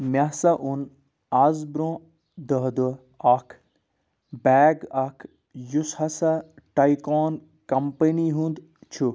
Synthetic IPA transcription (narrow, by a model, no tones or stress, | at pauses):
mʲɐsɐʔun | ɐzbɾõː | d̪əɦd̪u | ɐkʰ | bɛːɡɐkʰ | jushɐsɐ | ʈɐikɔːn | kɐmpəniɦũnd̪ | t͡ʃʰu